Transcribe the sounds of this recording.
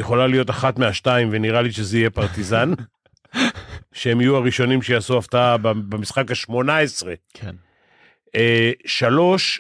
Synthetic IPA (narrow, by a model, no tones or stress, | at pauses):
jeχo̞lalijo̞t̪aχat̪meaʃtaimveniʁaliʃezeije̞paʁt̪izan | ʃeemijuaʁiʃo̞nimʃejaːsuaft̪ababemisχakaʃmo̞nae̞sʁe̞kʰen | eʃalo̞ʃ